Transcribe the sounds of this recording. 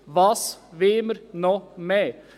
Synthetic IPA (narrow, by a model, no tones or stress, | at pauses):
ʋɑːsʋɪːməɾnoːmɛː